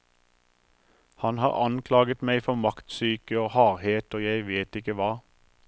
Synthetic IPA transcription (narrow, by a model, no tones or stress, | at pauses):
hɑnhɑ̰ːʁɑnkʰlɑːɡət̪mæɪfɔʁmɑkt̪syːkəoːhɑːʁheːt̪oːjæɪʋeːt̪ɪkəʋɑː